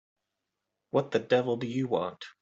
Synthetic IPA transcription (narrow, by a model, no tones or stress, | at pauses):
wʌt̪̚ðɨdɛvl̩ˠdɨjɨwɑ̰̃nt